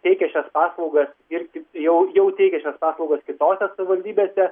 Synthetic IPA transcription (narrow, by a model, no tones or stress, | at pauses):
t̪ʲɛɪkʲɛʃʲɛspɑːslˠɐʊɡɐsɪɾkʲɪtjɛʊjɛʊt̪ʲɛɪkʲɛʃʲɛspɑːslˠɐʊɡɐskʲɪt̪oːsʲɛsɐʋʲɪʋɐlʲd̪ʲiːbʲeːsʲɛ